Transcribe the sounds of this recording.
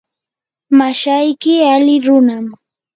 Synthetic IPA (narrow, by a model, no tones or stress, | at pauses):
maʃajkɪalɪɾʊnam